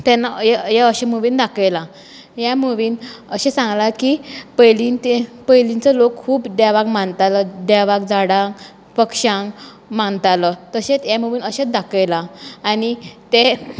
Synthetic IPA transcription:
t̪ɛnːajjaəɕemuʋiːnd̪akəjla | jamuʋiːnəɕɛsãŋɡlakipəjlint̪epəjlint͡səlokʰkʰuːpd̪aʋakmant̪aləd̪ɛʋakd͡zaɽãŋk | pəkʂãŋɡ | mant̪alət̪əɕet͡sjamuʋiːnəɕed̪akəjlaːnit̪e

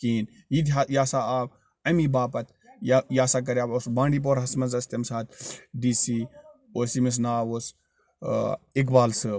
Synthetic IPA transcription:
kiːn | jid̪ɦajaːsaːaːb | ɐmibaːpɐt̪ | jjaːsaːk̬ɐɾʲjaːboːsbãːɳɖiːp̬oːɾɦɐsmɐnzɐst̪ɐmsaːt̪ɖiːsiː | oːsimis̬naːʋoːs | ik̬baːlsɨ

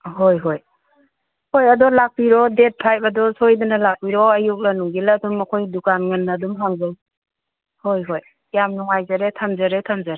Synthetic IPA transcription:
hojɦoj | hojadɔlak̚piɾɔdet̚pʰajpadɔsojdanalak̚piɾɔajuk̚lanuŋɡiladɔmːakʰojdukanŋanːadɔmɦaŋzaj | hojɦoj | jamnɔŋajzaɾetʰamzaɾetʰamzaɾe

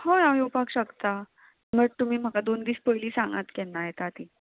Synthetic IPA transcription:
hãjajopakɕəkt̪a | məʈ̚t̪um̤iːm̤əkad̪ond̪iːspəjliːsãŋɡat̪kɛnːajet̪at̪iː

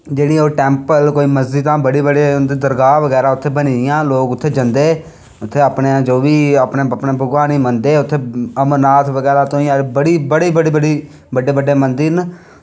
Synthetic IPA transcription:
d͡ʒeːɽĩːoːʈɛ̃ːmpəlkoːiːməzd͡ʒiːt̪ãːbəɽiːbəɽeːnd̪iːd̪əɾɡaːʋəɡɛːɾaːʊt̪ʰːeːbənijãːloːkʊt̪ʰːeːd͡ʒənd̪eː | ʊt̪ʰːeːəpneãd͡ʒoːʋiːəpneːpneːbʱəɡʋaːniːmənd̪eːʊt̪ʰːeːəmənaːt̪ʋəɡɛːɾaːt̪õːĩːəɾbəɽiːbəɽiːbəɽiːbəɽiː | bəɖeːbəɖːeːmənd̪ɪn

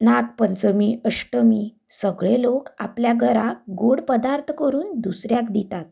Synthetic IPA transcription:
nak̚pənt͡səmiʔəʂʈəmiː | səɡɭeloka̰pljaɡʱəɾaɡoɽpəd̪aɾt̪ʰkəɾuːnd̪usɾjakd̪it̪at̪̚

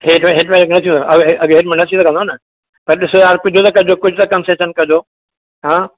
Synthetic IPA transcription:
ɦeːʈmɦeʈmẽknɐt̪ʰĩd̪oɐʔɐɡɦeːʈmɐ̃nɐt̪ʰĩokɐ̃nd̪onɐ | pɐɾɗɪsoaːɾkʊd͡ʑʱot̪ɐkɐd͡ʑoːkʊd͡ʑʱʊt̪ɐkɐmseːʃənkɐd͡ʑo | ɦãː

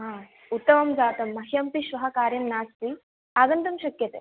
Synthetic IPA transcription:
ɦaː | ut̪ːɐmɐmd͡zaːt̪ɐmːɐɦijɐmpiʃʋɐɦɐkaːɾjɐmnaːst̪i | ɐɡ̪ɐnt̪ɐmʃɐkjɐt̪e

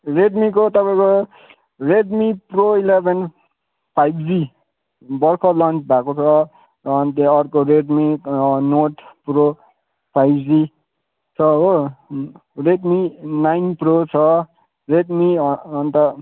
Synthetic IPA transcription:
ɾeɖmikot̪ʌpãĩko | reɖmiproilebʱen | pʰajbd͡zi | bʌrkʰolʌnt͡sʰbʱakot͡sʰʌ | ʌɦnt̪eʌɾkoɾeɖminoʈpɾo | pʰajbd͡zi | t͡sʰʌo | ɾeɖminajnprot͡sʰʌ | reɖmiʌʌnt̪ʌ

